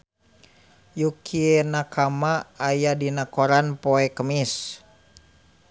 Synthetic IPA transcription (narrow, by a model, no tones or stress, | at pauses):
jukʰienakamaːjadinakoɾanpoɛkəmis